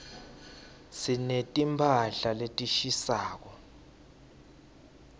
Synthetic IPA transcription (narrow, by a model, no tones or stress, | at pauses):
sinetʼimpʰaɬaletʼiʃisaːk̬ɔ